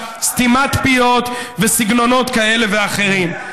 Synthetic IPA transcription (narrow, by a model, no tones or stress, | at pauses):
st̪imat̪pio̞t̪vesiɡno̞no̞t̪kae̞leveaχe̞ʁim